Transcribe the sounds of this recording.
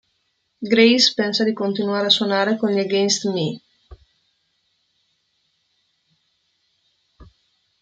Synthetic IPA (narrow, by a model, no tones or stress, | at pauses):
ɡɾejspɛnsad̪ikont̪inuaːɾeaswonaːɾekonleɡest̪mi